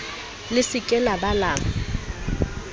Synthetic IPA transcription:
lɪsɪkʼɛlabalaːŋ̩

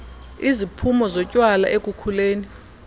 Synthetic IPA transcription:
izipʰumɔzɔcʼwala̰ʔekʼukʰuleːni

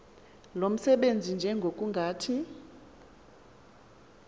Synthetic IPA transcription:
lom̩sɛɓend͡zʱind͡ʒʱɛŋɡʱokʼuŋɡʱaːtʰi

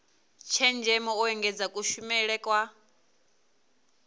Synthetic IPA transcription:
t͡ʃʰɛnd͡ʒɛmɔɔɛŋɡɛd͡zakʼuʃumɛɺɛkʼwa

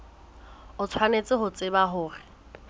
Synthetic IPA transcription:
ʊt͡sʰwanet͡sʼɪɦʊt͡sʼɪbaɦʊːrɪ

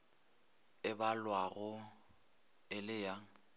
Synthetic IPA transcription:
ɪbalwaɣʊ | ɪlɪja

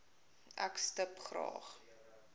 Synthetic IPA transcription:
ʔæ̰kstəpχrɑ̰ːχ

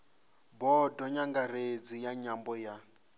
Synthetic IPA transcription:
bɔdɔɲaŋɡared͡zijaɲambɔja

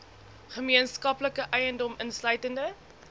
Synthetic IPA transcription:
χəmiənskɐpləkəʔœjəndɔmənslœɥtəndə

